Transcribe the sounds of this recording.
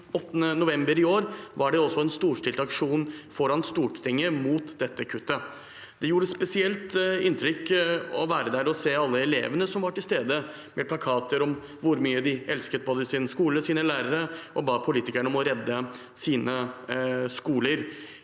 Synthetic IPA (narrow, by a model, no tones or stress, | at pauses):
ɔt̪ːənənʊʋɛmbəɾɪoːɾʋɑɖɛɔsːɔɛnst̪uːʂʈ̪ɪlt̪ɑkʂuːnfɔɾɑnst̪uːʈt̪ɪŋːəmuːt̪d̪ɛt̪ːəkʰʉt̪ːə | d̪̥ɛjuːɾəspɛsɪɛlt̪ɪnt̪ʰɾʏkːɔʋæːɾəd̪æɾɔseːɑlːəɛlḛːʋənəsɔmʋɑʈɪlst̪eːd̪ə | mʔɛpʰlɑkʰɑːt̪ʰəɾɔm | ʋʊɾmyːəd̪ɪʔɛlskət̪̚boːd̪əsɪnskuːləsiːnəlæːɾəɾəʔɔbɑːpʰʊliːt̪ɪkəɳəɔmɔɾɛd̪ːə | siːnə | skuːləɾ